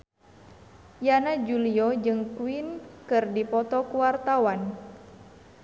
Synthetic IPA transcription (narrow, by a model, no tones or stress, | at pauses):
janad͡ʒuliod͡ʒɨŋkuinkɨrdipɔt̪ɔkuwart̪awan